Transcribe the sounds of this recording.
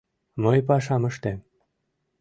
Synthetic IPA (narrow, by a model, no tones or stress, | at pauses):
mɤjpɑʃɑmə̆ʃt̪em